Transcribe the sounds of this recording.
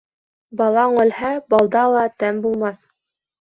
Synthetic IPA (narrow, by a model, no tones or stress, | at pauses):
bɑlˠɑɴɵ̆lhæbɑlˠd̪ɑlˠɑt̪æmbulˠmɑθ